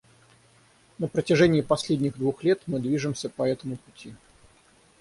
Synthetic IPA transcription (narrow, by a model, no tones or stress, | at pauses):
nəpɾətʲɪʐɛnʲɪːpɐsʲlʲedʲnʲɪɣd̪vuxlʲet̪mɨd̪vʲiʐɨmsʲəpɐɛt̪əmʊpʊtʲi